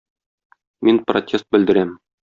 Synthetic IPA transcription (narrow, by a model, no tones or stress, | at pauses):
minprotʲʰest̪̚bɘ̆ld̪ɘ̆ɾæm